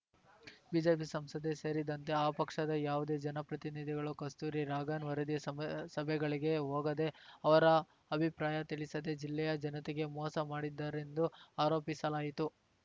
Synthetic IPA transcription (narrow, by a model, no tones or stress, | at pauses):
biːd͡ʒeːpisɐmsɐd̪eseːɾid̪ɐnt̪e̞aːpɐkʂɐd̪ɐjaːʋud̪e̞ːd͡ʒɐnɐpɾɐt̪inid̪ʱiɡɐɭukɐst̪uːɾiɾaːɡaːnʋɐɾɐd̪ijɐsɐbʱɛɡɐɭiɡe̞ɦoːɡɐd̪e̞ɐʋɐɾɐː | bʱipɾaːjɐt̪iɭisɐd̪e̞d͡ʒilːɛjɐd͡ʒɐnɐt̪ɛɡe̞mɔːsɐmaːɽid̪ːɐɾe̞nd̪uaːɾo̞ːpisɐlaːjit̪u